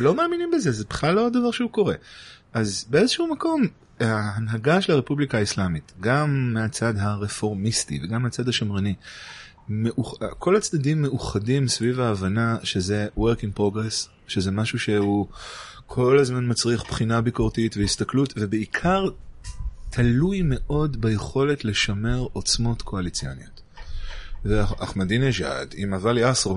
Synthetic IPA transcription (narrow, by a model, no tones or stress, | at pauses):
lo̞maːminimbezezebi̥χlalːoodavaʁʃeuko̞ʁe̞̰ʔazbezeʃumako̞m | haːnɦaɡaʃelaʁe̞publikaislamitɡamːeat͡sadɦaʁe̞fo̞ʁmistḭveɡamːeat͡sad̪haʃamʁini | meʔukʰo̞lat͡sd̪adimːe̞uχadimsvivaːvanaʃezeweʁkĩŋɡ̚pʁo̞ɡʁes | ʃezemaʃuʃe̞u | kʰo̞lazmanmat͡sʁiaχpχinabikoʁtitvehist̪aklutve̞beikʰaʁ | tʰalujme̞ʔo̞dbejeχo̞le̞tle̞ʃame̞ʁo̞t͡smo̞tkʰo̞alit͡sianiot̪ | veaχmadineʒa̰dimavaljasʁ